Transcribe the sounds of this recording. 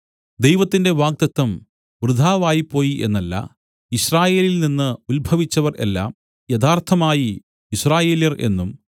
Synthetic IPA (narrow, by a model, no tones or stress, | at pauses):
d̪ejʋɐt̪ːinde̞ʋaːk̚t̪ɐt̪ːɐm | ʋrɨd̪ʱaːʋaːjipːo̞ːjiʔe̞̰nːɐlːɐ̰ | iɕraːje̞ːlilninːɨulbʱɐʋit͡ɕːɐʋɐrḛlːa̰ːm | jɐd̪aːrt̪ʰɐmaːji | iɕraːje̞ːljɐre̞̰nːum